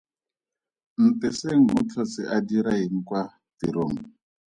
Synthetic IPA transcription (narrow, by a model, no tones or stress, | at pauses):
n̩tɛseŋ̩ṵt͡ɬʰɔt͡siʔadiɾaɦiŋ̩kwa | t̪iɾoŋ